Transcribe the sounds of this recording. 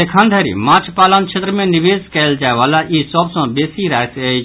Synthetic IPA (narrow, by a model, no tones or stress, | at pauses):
ekʰənd̪ʱəɾḭmat͡ʃʰpalənt͡ʃʰet̪ɾəmeniʋed͡zkɛld͡ʒaeʋalaʔisəbsə̃besiɾaesə